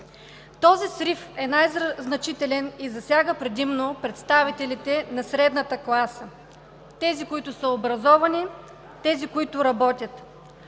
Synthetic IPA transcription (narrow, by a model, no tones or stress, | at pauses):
t̪ɔzisɾifɛnajznɐt͡ʃit̪ɛlɛnizɐsʲjaɡəpɾɛd̪imnopɾɛt̪st̪avit̪ɛlit̪ɛnɐsɾɛd̪nət̪əklˠasə | t̪ɛzikoit̪ʊsəobɾɐzɔvɐni | t̪ɛzikoit̪ʊɾɐbɔt̪ʲət̪